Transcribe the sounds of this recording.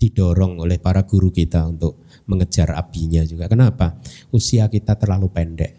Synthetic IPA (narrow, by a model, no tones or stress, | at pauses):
d̪̥iɖ̥ɔɾɔŋolɪhpaɾaɡ̥uɾukit̪aunt̪ʊʔ̚ | məŋə̥d͡ʒ̥ara̰b̥iɲad͡ʒuɡ̥akənapaʔusiakit̪at̪ərlalupɛnɖɛ̰ʔ